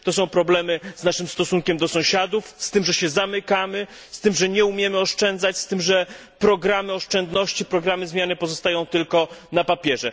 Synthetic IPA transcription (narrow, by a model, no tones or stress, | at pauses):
t̪ɔs̬ɔ̃w̃pɾɔblɛmɘznaʂɘmst̪ɔsuŋkʲɛmd̪ɔsɔ̃w̃ɕad̪ufst̪ɘmʐɛɕɛzamɘkamɘ | st̪ɘmʐɛɲɛumʲjɛmɘɔʂt͡ʂɛnd̪zat͡ɕst̪ɘmʐɛ | pɾɔɡɾamɘɔʂt͡ʂɛnd̪nɔɕt͡ɕipɾɔɡɾamɘzmʲjanɘpɔzɔst̪ajɔ̃w̃t̪ɘlkɔnapapʲjɛʐɛ